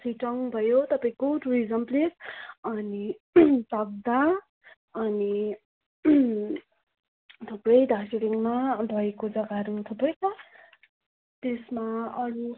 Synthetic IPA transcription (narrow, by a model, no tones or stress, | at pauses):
siʈʌŋbʱʌjot̪ʌpaĩkoʈuɾizʌmplisʌnisab̚d̪a | ʌni | t̪ʰuprʌjd̪asiɾiŋmabʱʌjkod͡zʌɡaɾuŋt̪ʰupʌjt͡sʰʌ | t̪esmaʌɾu